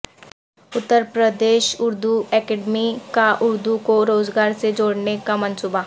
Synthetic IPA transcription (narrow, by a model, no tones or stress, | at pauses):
ʊt̪ːəɾpɾəd̪eːʃʊɾd̪uɛːkɛɖmikaʔʊɾd̪ukoɾoːzɡaːɾsed͡ʒoːɽnekamə̃nsuːba